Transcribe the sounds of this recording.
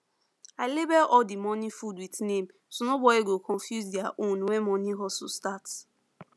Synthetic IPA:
aɪlebɛlʔɔldimɔnifudwitnẽm | sonobɔeɡokʰɔ̃nfjusdiaʔõnwɛmɔ̃niɦɔsustat

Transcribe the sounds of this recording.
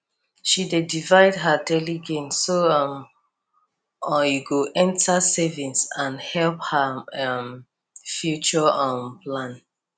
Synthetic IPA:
ʃidedivaɪdɦadɛliɡẽnsoʌm | ɔjuɡoʔɛ̃ntʰasɛvĩnsãnhɛlphaʌm | fjut͡ʃɔmplãn

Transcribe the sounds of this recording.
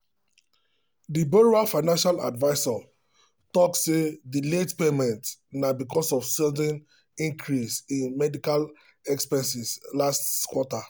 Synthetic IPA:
diboɹafaɪnãnʃala̰dvaɪsɔ | tɔksediletpemɛ̃ntnabikɔsɔfsɛtɛ̃n | ĩŋkʰɹisĩnmɛdikal | ɛkspɛ̃nsislastkwɔta

